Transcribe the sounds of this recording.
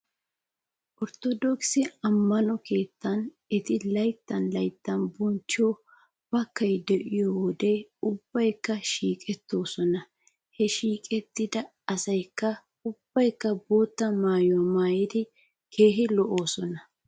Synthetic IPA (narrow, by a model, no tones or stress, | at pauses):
ʔɔɾt̪ɔd̪ɔksɪɐmːɐnɔke̞ːt̪ːɐn | ɛt̪ɪlɐjt̪ːɐnlɐjt̪ːɐnbɔnt͡ʃːɪɔ | b̥ɐkːɐjd̪ɛʔɪjɔwɔd̪ɛʊb̥ːɐjkːɐʃiːkʼɛt̪ːo̞ːsɔnɐ | hɛʃiːkʼɛt̪ːɪd̪ɐ | ɐsɐjkːɐ | ʊb̥ːɐjkːɐbo̞ːt̪ːɐmaːjomaːjɪd̪ɪ | kʰeːɦɪlɔʔo̞ːsɔnɐ